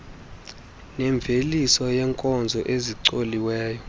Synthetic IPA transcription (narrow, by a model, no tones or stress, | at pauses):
nɛɱb̪vʱelisɔjɛŋkʼɔnd͡zʱɔʔeziǀoliwɛːjɔ